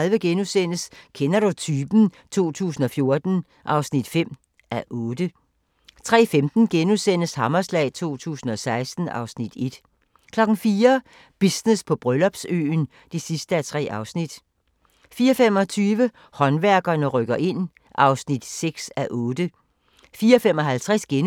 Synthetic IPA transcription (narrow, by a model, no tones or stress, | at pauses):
lʋəɡ̥enusen̰əskʰenɐɾut͡sʰyːb̥n̩ | t͡sʰo̝̰ːt͡sʰṵːsn̩ɒ̽fjo̝ɐd̥n̩ | ʔɑ̈ʊsnid̥fem̰ | æʔɔːdə | t͡sʰʁɛ̰ːfemd̥n̩ɡ̥enusen̰əshɑ̈mɐslɛ̰ɪt͡sʰo̝̰ːt͡sʰṵːsn̩ɒ̽sɑ̈ɪsd̥n̩ʔɑ̈ʊsnid̥e̝d̥ | kʰlɒ̽ɡ̥n̩fiːɐ | b̥isnespʰɒ̽b̥ʁœlɒ̽b̥sø̰ːn | d̥isisd̥əæt͡sʰʁɛ̰ːɑ̈ʊsnid̥ | fiːɐɒfem̰ɒ̽t͡sʰyːʋə | hɒ̽nʋæɐɡ̥ɐnəʁœɡ̥ɐʔe̝n̰ | ʔɑ̈ʊsnid̥seɡ̥sæʔɔːd̥ə | fiːɐɒfemɒ̽ɦælt͡sʰʁɛsɡ̥en